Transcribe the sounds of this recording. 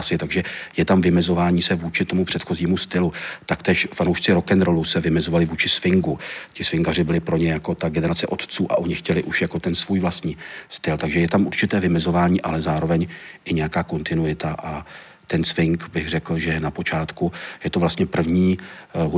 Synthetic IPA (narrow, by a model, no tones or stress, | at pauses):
sɪt̪aɡʒɛjɛt̪amvɪmɛzo̞vaːɲiːsɛvuːt͡ʃɪt̪o̞mupr̝̥ɛt̪xo̞ziːmust̪ɪlut̪akt̪ɛːʃfanowʃt͡sɪɾo̞kɛnɾo̞lusɛvɪmɛzo̞valɪvuːt͡ʃɪsfɪŋɡucɪsvɪŋɡarɪbɪlɪpɾo̞ɲɛjako̞t̪aɡɛnɛɾat͡sɛʔo̞t̪t͡suːʔa̰ʔo̞ɲɪxcɛlɪʔuʃjako̞t̪ɛnsvuːjvlast̪ɲiːst̪ɪlt̪aɡʒɛjɛt̪amʔuɾt͡ʃɪt̪ɛːvɪmɛzo̞vaːɲiːʔa̰lɛzaːɾo̞vɛɲʔɪɲɛjakaːko̞nt̪ɪnujɪt̪aʔa | t̪ɛnsvɪŋkbɪɣrɛkl̩ʒɛnapo̞t͡ʃaːt̪kujɛt̪o̞vlast̪ɲɛpr̩vɲiːɦ